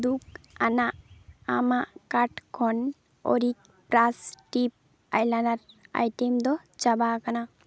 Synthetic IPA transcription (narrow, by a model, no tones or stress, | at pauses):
d̪ukanaʔamaʔkaʈkʰɔn | o̰ɾik̚ | pɾasʈip̚ | a̰jlanaɾa̰jʈɛmd̪ɔ | t͡ʃabakana